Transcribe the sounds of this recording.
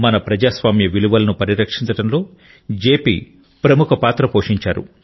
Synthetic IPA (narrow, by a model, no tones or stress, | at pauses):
mɐnɐpɾɐd͡ʒaːsʋaːmjɐʋiluʋɐlɐnupɐɾiɾɐkʂint͡sɐɽɐnlo̞ː | d͡ʒeːpḭː | pɾɐmukʰɐpaːt̪ɾɐpoːʂiɲt͡ʃaːɾṵ